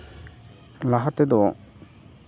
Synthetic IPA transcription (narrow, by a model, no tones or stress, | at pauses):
laɦat̪ːed̪ɔ